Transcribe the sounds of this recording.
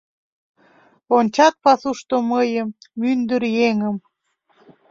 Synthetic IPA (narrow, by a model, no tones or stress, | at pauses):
onʲt͡ɕɑt̪̚pɑsuʃt̪oməjəmːynd̪əɾjeŋəm